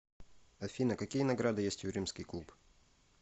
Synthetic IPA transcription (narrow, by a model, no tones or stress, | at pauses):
ɐfʲinəkɐkʲijənɐɡɾad̪ɨjesʲtʲʊɾʲimskʲɪjklˠup